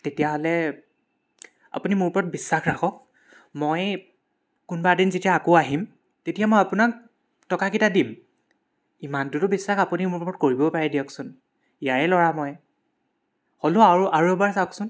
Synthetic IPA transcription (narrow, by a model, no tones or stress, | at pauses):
tetijaɦolɛ | a̰punimʊɹpɔɹɔt̚bisːaxɹaxʰɔk̚ | moj | kunbadinzetijaːkoaɦim | tetijamojapunak̚ | tɔkakitadim | imantʊtʊbisːaxapunimʊɹpɔɔt̚koɹibɔpaɹɛdiɔksʊn | ijaɹɛlɔɹamɔj | holoaɹuʔaɹuɛbaɹsaɔksʊn